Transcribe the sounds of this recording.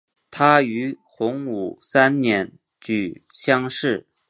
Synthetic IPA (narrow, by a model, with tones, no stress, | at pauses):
t̪ʰa˥y˧˥ | xʊ˧˥ŋṵ˨˩sa˥nnjɛ˧˥n | t͡ɕy˨˩ɕjɑ˥ŋʂɻ̩˥˩